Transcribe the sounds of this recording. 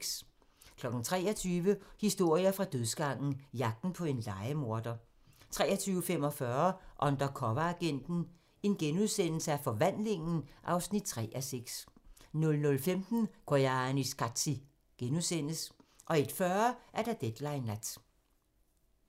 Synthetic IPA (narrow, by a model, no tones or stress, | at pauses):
s | kʰlɒ̽ɡ̥n̩t͡sʰʁɛ̰ːɐt͡sʰyːʋəhisd̥o̝ɐ̰iɐfʁɑ̈d̥øðˠsɡ̥ɑ̈ŋ̰n̩jɑ̈ɡ̥̚d̥n̩pʰɒ̽e̝nlɑ̈ɪəmo̝ɐd̥ɐ | t͡sʰʁɛːɐt͡sʰyːʊəfem̰ɒ̽fɶɐʔɒ̽nd̥ɐkʰɒʋæːɡ̥en̰d̥n̩ | e̝nɡ̥enuðˠsen̰l̩səæɐfɒ̽ʋæn̰le̝ŋn̩ʔɑ̈ʊsnid̥̚t͡sʰʁɛ̰ːʔæseɡ̥snɔ̽lnɔ̽lfemd̥n̩ɡ̥ojɑnisɡ̥ɑ̥si | ɡ̥enuðˠsen̰əsʔɒ̽e̝d̥fɶɐʔæɐd̥æd̥ed̥lɑ̈ɪnæd̥